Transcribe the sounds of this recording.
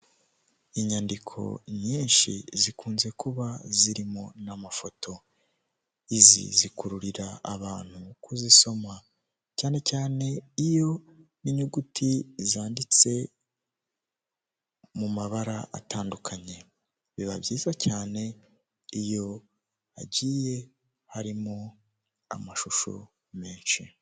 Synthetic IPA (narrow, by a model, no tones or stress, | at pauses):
iɲandikʰo̞̰ɲiːnʃḭzikʰuːnze̞kuβaziɾimo̞namafo̞tʰo̞ | izḭzikuɾuɾiɾa̰ːβaːn̥hukuziso̞ma | caːne̞caːne̞ijo̞ | niɲuɡutʰizaːndit͡se̞ | mumaβaɾaa̰taːndukʰaɲe̞ | βiβabɟiːzacaːne̞ | ijo̞ | aɟiːje̞ | haɾimo̞ | a̰maʃuʃo̰ | meːnʃi